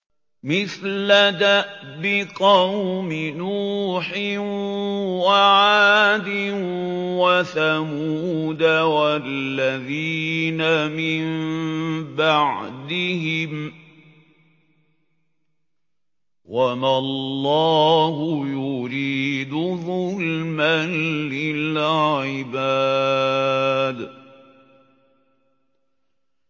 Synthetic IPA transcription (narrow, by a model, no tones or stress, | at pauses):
mɪθlad̪aʔbɪqɑwmɪnuːħɪnwaʕaːd̪ɪnwaθamuːd̪awalːaðiːnamɪm | baʕd̪ɪɦɪm | wamalllːɑːɦʊjʊɾiːd̪ʊðˤʊlmanlɪlʕɪbaː | d̪